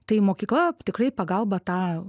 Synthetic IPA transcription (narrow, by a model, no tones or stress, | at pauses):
t̪ɐɪmoːkʲiːklˠɐt̪ʲɪkɾɐɪpɐɡɐlˠbɐt̪ɑː